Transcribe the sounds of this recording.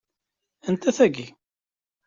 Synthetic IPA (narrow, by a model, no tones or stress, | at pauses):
ənt̪æθæɡi